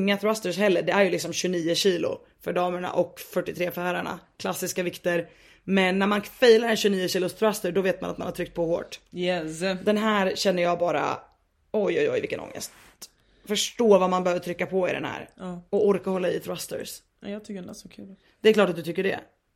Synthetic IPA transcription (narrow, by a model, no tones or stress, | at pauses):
ŋːaθɾast̪əɾshɛlːəɖɛæɾjɵlɪksɔmɕɵniːʊɕiːlʊ̰ | fœɖɑːməɳa̰ʔɔkfœʈːɪt̪ʰɾeːfæːɾaɳa̰kʰlasːɪskavɪkt̪əɾ | mɛnːæɾmanfɛjlaɾɛnɕɵniːəɕiːlʊst̪ɾast̪əɖɔveːt̪̚ma̰nat̪manhat̪ʰɾʏk̚t̪̚pʰɔho̰ːʈjɛd̪ɛnɦæːɾɕɛnːəjɑːɡbɑːɾa̰ | ɔjɔjɔ̰jvɪlkːə̰nɔ̰ŋːə̰st̪ | fœʂʈoːvamanbɛhøːvəʈ̪ʰɾʏkːapʰɔɪ̰ɖɛ̰nhæ̰ːɾɔɔɾkahɔlːaɪθɾast̪ə̰ɾs | jɑt̪ʰʏkːəɛnsɔkʰʉl | d̪̥ɛɾkʰlɑːʈːat̪̚d̪ɵt̪ʰʏkːəɖɛ̰